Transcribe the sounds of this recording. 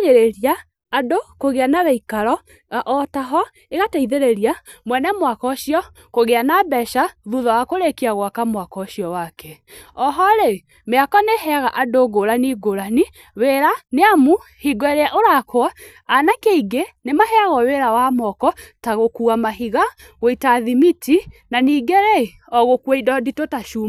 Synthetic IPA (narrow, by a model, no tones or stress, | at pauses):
ɣeɾeɾijaː | dokoɣeanaβɛikaɾɔ | ʔɔtaɦɔ | eɣataiðeɾeɾiamwɛnɛmwakɔɕiɔ | koɣeanabɛʃaðuðɔwakoɾekiaɣwakamwakɔɕiɔwakɛɔɦɔɾe | meakɔneɦɛaɣaʔadoɡoɾaniɡoɾani | weɾaneamuhiɡwɛɾeaʔoɾakwa | anakeiɡenemahɛaɣɔweɾawamɔkɔtaɣokuamaɦiɣa | ɣoitaðimitinaniːɡeɾe | ɔɣokweidɔditotaʃum